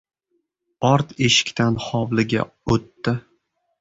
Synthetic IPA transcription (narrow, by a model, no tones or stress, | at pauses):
ɒɾt̪ʰeʃɪ̥kʲt̪ʰanhɒwlɪɡʲa̰ | ot̪ːɪ